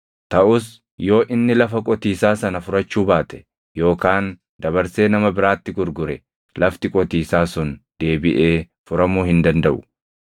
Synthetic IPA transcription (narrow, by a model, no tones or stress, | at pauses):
t̪ɐʔʊs | jo̞ːʔɪnːɪlɐfɐkʼɔt̪iːsaːsɐnɐfʊɾɐt͡ʃːuːbaːt̪ɛ̥ | jo̞ːkaːn | d̪ɐβɐɾse̞ːnɐmɐbɪɾaːt̪ːɪɡʊɾɡʊɾɛ | lɐft̪ɪkʼɔt̪iːsaːsʊnd̪̥e̞ːbɪʔe̞ː | fʊɾɐmuːhɪnd̪ɐnd̪ɐʔʊ̥